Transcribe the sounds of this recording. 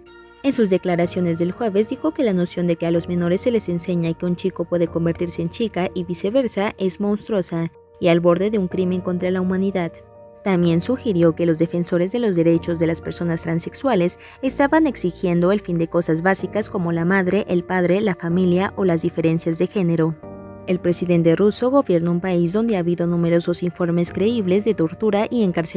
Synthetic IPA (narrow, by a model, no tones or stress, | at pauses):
e̞nsuzðe̞klaɾasjo̞ne̞zðe̞lxwe̞βezd̪ixo̞ke̞lano̞sjo̞nd̪e̞kealo̞zme̞no̞ɾe̞sːe̞le̞se̞nse̞ɲakeunt͡ʃiko̞pwe̞ðe̞ko̞mbe̞ɾt̪iɾse̞ːnt͡ʃikaʔiβise̞βe̞ɾsaʔe̞zmõ̞nst̪ɾo̞sa | ialβo̞ɾðe̞ðe̞uŋkɾimẽ̞ŋko̞nt̪ɾalaumãniðað | t̪ambje̞nsuxiɾjo̞ke̞lo̞zðe̞fe̞nso̞ɾe̞zðe̞lo̞zðe̞ɾe̞t͡ʃo̞zðe̞laspe̞ɾso̞nast̪ɾanse̞kswale̞s | est̪aβane̞ksixje̞nd̪o̞e̞lfind̪e̞ko̞sazβasikasko̞mo̞lamaðɾe̞ʔelpaðɾe̞lafamiljaʔolazðife̞ɾe̞nsjazðe̞xe̞ne̞ɾo̞ | e̞lpɾe̞siðe̞nt̪e̞ruso̞ɣo̞βje̞ɾnoumpaizðo̞nd̪eaβiðo̞nũme̞ɾo̞so̞siɱfo̞ɾme̞skɾe̞iβle̞zðet̪o̞ɾt̪uɾaʔie̞ŋkaɾs